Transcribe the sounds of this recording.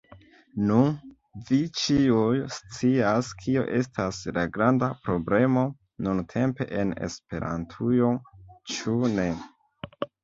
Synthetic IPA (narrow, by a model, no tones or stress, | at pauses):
nun | vit͡ʃiujst͡siaskʰio̰ʔe̞stʰaslaɡɾandapɾo̞ble̞mo̞ | nuntʰe̞mpe̞̰ʔene̞̰spe̞ɾa̰ntʰujo̞t͡ʃune̞